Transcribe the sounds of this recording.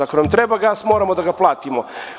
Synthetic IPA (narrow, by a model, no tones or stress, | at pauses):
akonamt̪ɾebaɡaːsmo̞ːɾamod̪aɡaplˠaːt̪imo